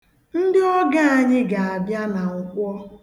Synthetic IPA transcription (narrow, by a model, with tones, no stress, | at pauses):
n̩˦dɪ˦ɔ˦ɡa˦˨a˨ɲɪ˦ɡa˨a˨bja˦na˨ŋ̩˦kʷɔ˦